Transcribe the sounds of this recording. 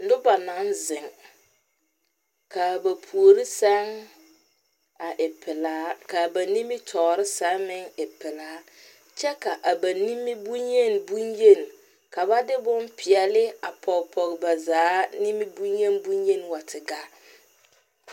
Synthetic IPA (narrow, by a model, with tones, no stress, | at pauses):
dʊ˦ba˨na˨˦nzɪ˨ŋ | ka˨ba˨pʰu˨o˨ɾi˦sa˦ŋ | a˨ʔɪ˨pɪ˨laː˨˦ka˨ba˨ni˦mi˦tʰɔː˨ɾɪ˦sa˨˦mɪ˦ŋɪ˨pɪ˨laː˨˦ | t͡ʃɛ˦ka˨ʔa˨ba˨ni˦mːi˦bu˦ɲje˦˨n˨bu˦ɲje˦n˨ | ka˨ba˦dɪ˦bʊ˦npʰɪ˨ɛ˨lɪ˦a˨pʰɔ˨kpʰɔ˨ɡba˨zaː˨˦ni˦mi˦bu˦ɲje˦n˦bu˦ɲje˦n˨wa˨tʰɪ˨ɡa˦